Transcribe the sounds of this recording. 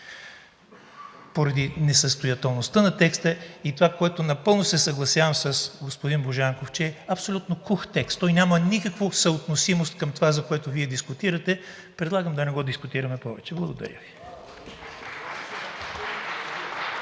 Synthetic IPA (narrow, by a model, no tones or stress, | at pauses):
poɾɐd̪inɛsəst̪ʊjɐt̪ɛlˠnost̪ənɐt̪ɛkst̪əit̪ovakoɛt̪ʊnɐpɤlˠnosɛsɐɡlˠɐsjavəmsəsɡospʊd̪inboʒaŋkoft͡ʃɛɛɐpsolʲut̪nokuxt̪ɛkst̪ːɔjnʲamənikəkvosəot̪nosimost̪̚kɐmt̪ovazɐkoɛt̪oviɛd̪iskʊt̪iɾɐt̪ɛ | pɾɛd̪lˠaɡəmd̪ɐnɛɡɔd̪iskʊt̪iɾɐmɛpɔvɛ̰t͡ʃɛblˠɐɡʊd̪ɐ̰ɾʲjə̰vi